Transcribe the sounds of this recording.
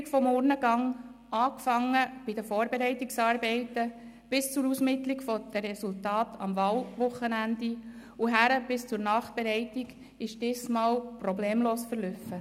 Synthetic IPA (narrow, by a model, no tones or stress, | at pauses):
kfɔmːɔrnəɡɑŋ | ɑːkfɑŋːəb̥id̪əfoːɾbɛɾɛɪtːiksɑːɾbɛɪtə | b̥ɪst͡suɾusmɪt̪liɡfɔd̪̥əɾɛsultɑːtɑ̰mvɑːlvʊχːənænd̪i | uɦæɾəb̥ɪst͡sʊɾnɑːχb̥ɛɾɛɪtːiɡ | ɪʃd̥ɪːsmɑːlprɔbleːmloːsfəɾlʏfə